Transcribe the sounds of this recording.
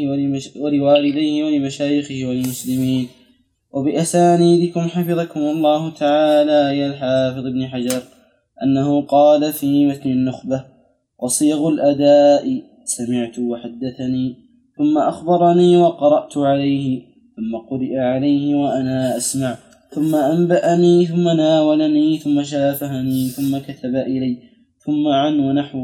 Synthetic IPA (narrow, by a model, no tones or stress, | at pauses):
walɪwaːlɪd̪ajhɪwalɪmaʃaːjɪxɪhɪwalmʊslɪmiːn | wabɪʔasaːniːd̪ɪkʊmħafɨðˤɑkʊmlˤːɑːhʊt̪aʕaːlaːjalħaːfɨðˤɪbnɪħad͡ʒɑɾˤ | ʔanːahʊqɑːlafiːmat̪nɪnːʊxba | wɑsˤiːɣʊlʔad̪aːʔɪ | samɪʕt̪ʊwaħad̪ːaθaniː | θʊmːaʔaxbɑɾˤɑniːwɑqɑɾˤɑʔt̪ʊʕalajhɪ | θʊmːaqʊɾɪʔaʕalajhɪwaʔanaːʔasmaʕ | θʊmːaʔambaʔaniːθʊmːanaːwalaniːθʊmːaʃ̬aːfaɦaniːθʊmːakat̪ʰabaʔɪlaj | θʊmːaʕanwanaħw